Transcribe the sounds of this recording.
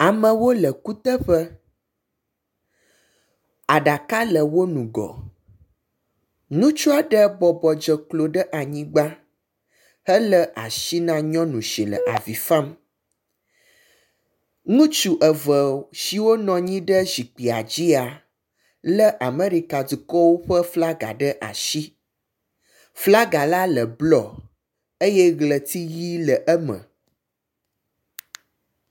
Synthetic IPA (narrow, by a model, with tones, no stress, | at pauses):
a˨mə̃˨wo˦lə˨ku˦t̪ə˦ɸə˦ | a˨ɖa˨ka˦lə˨wo˦nũ˨ɡɔ̰˨ | nũ˦t͡ʃu˦a˦ɖə˦bɔ˨bɔ˨d͡ʒə˨klo˨ɖə˦ʔa˨ɲĩ˦ɡ͡ba˦ | hə˦lə˦ʔa̰˨ʃi˦nã˦ɲɔ̃˦nũ˨ʃi˨lə̰˨ʔa̰˨vi˨fã˦m | ŋũ˦t͡ʃu˨ʔə˨və˨ʃi˨wo˦nɔ̃˨ɲĩ˦ɖə˦zi˨k͡pi˨a˨d͡ʑi˦a˨ | lə˦ʔa˨me˦ɾi˨ka˨du˨kɔ˦wo˦ɸə˦fla˦ɡa̰˨ɖə˦ʔa̰˨ʃi˦ | fla˦ɡa˨la˦lə˨blɔ˨ | e˦jɛ˦ɣlə˨t̪i˦ji˦lə˨ʔə˦mə̰̃˨